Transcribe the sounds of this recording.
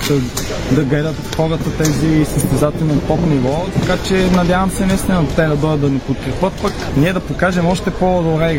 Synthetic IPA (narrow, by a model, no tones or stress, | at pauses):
d̪ɐ | d̪ɐɡlɛd̪ət̪xɔɾət̪ət̪ɛzisəst̪ɛzat̪ɛlnint̪ɔpnivɔt̪ɐkat͡ʃɛnɐd̪ʲjavɐmsɛnɐist̪inot̪ɛd̪ɐd̪ɔjəd̪d̪ɐnɛpot̪̚kɾɛpɤt̪̚pək | niɛd̪ɐpokaʒɛmɔʃt̪ɛpod̪obɾɛ